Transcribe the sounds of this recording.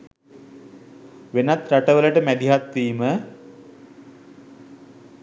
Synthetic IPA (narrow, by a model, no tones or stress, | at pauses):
ʋenat̪ɾaʈəʋələʈəmæd̪iɦat̪ʋiːmə